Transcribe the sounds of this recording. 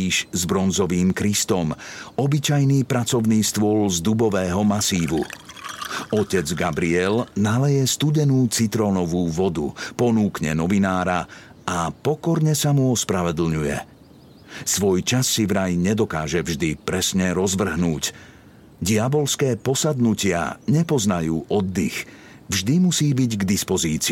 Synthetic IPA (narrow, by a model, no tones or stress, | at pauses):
iʃzbɾɔnzɔʋiːmkɾist̪ɔmɔbit͡ʃajniːpɾat͡sɔʊniːst̪ʋʊɔlzd̪ubɔʋɛːɦɔmasiːʋṵ | ɔcɛd͡zɡabɾiɛlnalɛjɛst̪uɟɛnuːt͡sit̪ɾɔːnɔʋuːʋɔd̪ṵpɔnuːkɲɛ̰nɔʋinaːɾa | apɔkɔɾɲɛsamuɔspɾaʋɛd̪l̩ɲujɛ̰ | sʋɔjt͡ʃasːivɾajɲɛd̪ɔkaːʒɛvʒd̪ipɾɛsɲɛɾɔzʋr̩ɦnuːc | ɟiabɔlskɛːpɔsad̪nucɪa̰ɲɛpɔznajuːʔɔd̪ːḭx | vʒd̪imusiːbiɟɡd̪ispɔziːt͡si